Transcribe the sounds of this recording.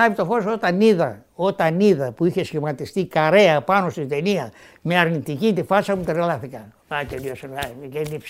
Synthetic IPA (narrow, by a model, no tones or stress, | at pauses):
ɐpit̪o̞fo̞sot̪ɐniðɐo̞t̪ɐniðɐpuiçesçimɐt̪ist̪ikɐɾe̞ɐpɐno̞st̪int̪eniɐ | meɐɾnit̪icint̪ifɐsɐmut̪eɾlɐθikɐ | at̪eliosenkenips